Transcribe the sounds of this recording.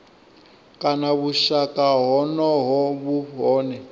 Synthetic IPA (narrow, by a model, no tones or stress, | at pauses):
kʼanaβuʃakʼaɦɔnɔɦɔβuɦɔːnɛ